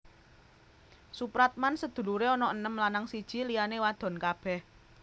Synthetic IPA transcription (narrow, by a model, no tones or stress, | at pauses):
supɾat̪̚mansəd̪̥ṳluɾeɔnɔənəmlanaŋsid̥ʒ̥i̤lijanewad̪̥ɔ̤nkab̥ɛh